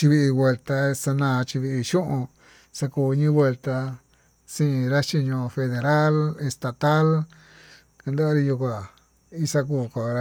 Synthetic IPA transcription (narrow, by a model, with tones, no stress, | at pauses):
t͡ʃi˧βi˧ʔi˧βwe˧lt̪a˧sa˧nãː˧t͡ʃi˧βi˧ʔi˧ʃũ˦ʔũ˧ | sa˧kuː˧ɲĩ˦βwe˧lt̪a˧ | sĩ˦˧ɾa˦t͡ʃi˧ɲõ˧fe˧ðe˧ɾa˦le˧st̪a˧t̪a˦l | ka˧nd̪a˦a˧ɾi˧ju˧k̬u˧a˨ | i˦sa˧k̬uː˧˨ko˨˧ɾ